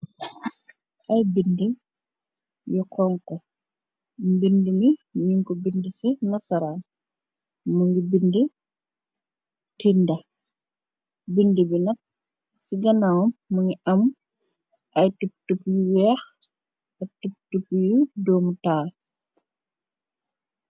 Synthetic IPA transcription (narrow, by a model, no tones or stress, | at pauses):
ʔɐjbində | jɔkʰɔŋkɔ | mbindəmimɲuŋkɔbindəsɛnɐsɐɾaːn | muŋɡibində | tindɐ | bindəbinɐt̚ | siɡɐnawumːuŋɡiʔɐm | ɐjtup̚tupjuwɛːx | ɐtup̚tupjudɔːmutaːl